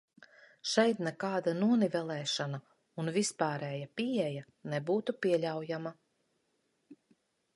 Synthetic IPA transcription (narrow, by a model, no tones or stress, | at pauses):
ʃɛjt̪nɛkaːd̪anuɔnivɛlˠɛːʃana | unvispaːɾɛːjapiɛja | nɛbuːt̪upiɛlʲawjama